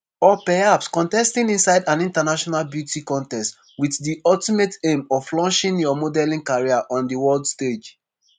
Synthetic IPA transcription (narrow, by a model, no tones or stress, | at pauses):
ɔpɛhapskɔ̃ntɛstĩnĩnsaɪdãnĩntanaʃɔnalbjutikɔ̃ntɛst | wiθdiʔɔltimetẽmɔfvlɔ̃nʃĩnjɔmodɛlĩŋkaɹiaʔɔ̃ndəwɜldsted͡ʒ